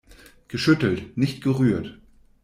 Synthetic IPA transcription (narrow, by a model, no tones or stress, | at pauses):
ɡ̥əʃʏtl̩tnɪçtɡ̥əʁyːɐt